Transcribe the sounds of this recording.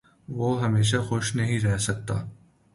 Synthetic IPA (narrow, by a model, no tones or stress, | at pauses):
ʋoːɦɐmeːʃ̬axʊʃnɐɦĩɾɛɦsɐk̚t̪a̰ː